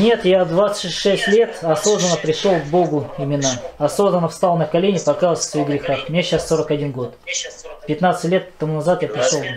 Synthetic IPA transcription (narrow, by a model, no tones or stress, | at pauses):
nʲe̞t̪jad̪vat̪sə̥t̪ʲsʲʂɛsʲtʲlʲe̞t̪ɐso̞znənəpɾʲɪʂolˠɡbo̞ɡʊɪmʲɪnːaɐso̞znənːəfst̪ɑlˠnəkɐlʲenʲɪpɐkajlˠsʲfsvɐixɡɾʲɪxaxmnʲeɕasːo̞ɾəkɐdʲinɡo̞t̪pʲɪt̪nat̪sɨtʲlʲe̞t̪t̪ːɐmunɐzat̪japɾʲɪʂolˠ